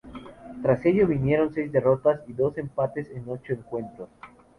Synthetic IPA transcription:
t̪ɾase̞ʝoβinje̞ɾo̞nse̞jzd̪e̞ro̞t̪asiðo̞se̞mpat̪e̞seno̞t͡ʃo̞eŋkwe̞nt̪ɾo̞s

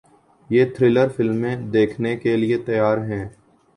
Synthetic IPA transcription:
jeːt̪ʰɾɪləɾfɪlmːẽd̪eːkʰnekeliet̪ɐjaːɾɦɛ̃ː

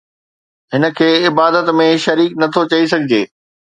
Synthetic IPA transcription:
ɦɪnə̆kʰeːɪbaːd̪ət̪mẽʃɐɾiːknɐt̪ʰot͡ɕɐis̬ɐɡʱɪd͡ʑeː

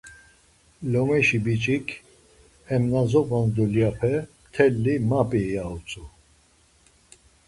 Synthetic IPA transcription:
lɔmɛʃibit͡ʃʼikʰ | hɛmnazɔpʼand̪uljapʰɛ | t̪ʰɛlːimapʼiɛjaut͡sʼu

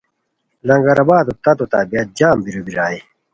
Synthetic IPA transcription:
lɐŋɡɐɾɐbaːd̪ot̪ɐt̪ot̪a̰ːbijɐt̪̚d͡ʑaːmbiɾubiɾaːi

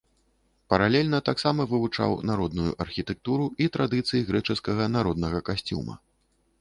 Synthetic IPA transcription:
pɐɾalʲɛlʲnɐt̪aksamɐvɨvut͡ʂa̰wnaɾɔd̪nujṵʔɐrxʲit̪ɛk̚t̪uɾuit̪ɾad̪ɨt̪sɨjiɣɾɛt͡ʂɨskɐɣɐnaɾɔd̪nɐɣɐkasʲt͡sʲṵmɐ̰

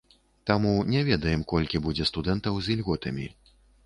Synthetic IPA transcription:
t̪amunʲɛvʲɛd̪ɐjɛmkɔlʲkʲibud͡zʲɛst̪ud̪ɛnt̪ɐwzilʲɣɔt̪ɐmʲi

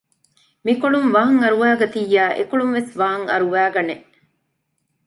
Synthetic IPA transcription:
mikoɭumʋɐɦɐŋɐɾuʋæːɡɐt̪ijːæːʔḛkoɭumʋesʋɐɦɐŋɐ̰ɾuʋæːɡɐneʔ

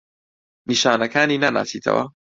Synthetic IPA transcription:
niʃaːnɐkaːninana̰sitʰɐ̰wa̰

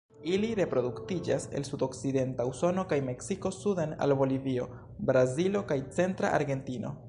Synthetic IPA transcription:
iliɾe̞pɾo̞duktid͡ʒa̰se̞̰lsudo̞kside̞ntauso̞no̞kajme̞ksiko̞sudana̰lbo̞livio̞ | bɾazilo̞kajt͡se̞ntɾa̰ʔa̰ɾɡe̞ntino̞̰

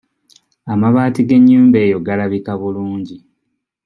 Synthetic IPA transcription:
amaβaːtiɡe̞ɲːuːmbe̞ːjo̞ɡalaβikaβuluːɲɟi

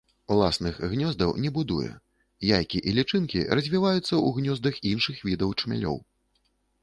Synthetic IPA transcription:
ulˠa̰snɨxɣnʲɔzd̪ɐwnʲɛbud̪ujɛ̰ | jajkʲiʔilʲit͡ʂɨnkʲḭɾɐzʲvʲivajut̪sːɐuɣnʲɔzd̪ɐxinʂɨxvʲid̪ɐwt͡ʂmʲa̰lʲɔ̰w

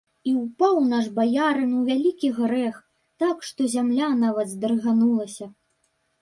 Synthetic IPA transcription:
iwpawnaʐbajaɾɨnwvʲalʲikʲiɣɾɛx | t̪akʂt̪ɔzʲamlʲanavɐd̪zd̪ɨrɨɣanulˠɐsʲɐ

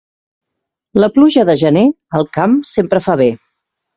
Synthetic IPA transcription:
ləpluʒəðəʒəne | əlˠkamsempɾəfaβe

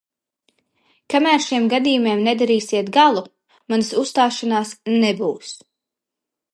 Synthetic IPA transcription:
kamæːɾʃiɛmɡad̪iːjumiɛmnɛd̪aɾiːsiɛt̪ɡalˠu | mansusːt̪aːʃanaːsnɛbuːs

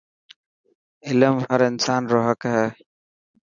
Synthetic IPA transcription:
ɪləmhəɾɪnsaːnɾoːɦəkɦɛː

